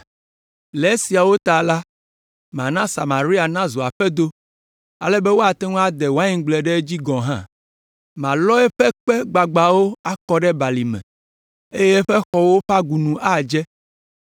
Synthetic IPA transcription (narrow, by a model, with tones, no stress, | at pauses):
lɛ˨˦si˨a˨wo˦t̪a˨la˦ | m˨ã˨nã˦sa˨ma˨ɾi˦a˨nã˦zo˨a˨ɸɛ˦d̪o˦ | a˨lɛ˦bɛ˦wo˦a˨t̪ɛ˦ŋũ˦a˦d̪ɛ˨wa˦ɲĩ˨˦ɡ͡blɛ˨ɖɛ˦d͡ʑi˦ɡɔ̃˨ɦã̰˦ | mã˨lɔ˦ɛ˦ɸɛ˦k͡pɛ˦ɡ͡ba˨ɡ͡ba˨wo˦a˦kɔ˦ɖɛ˦ba˨li˨mɛ̰̃˨ | e˦je˦ɸɛ˦xɔ˨wo˦ɸa˦ɡu˨nũ˨ʔa˦˨d͡ʒɛ˦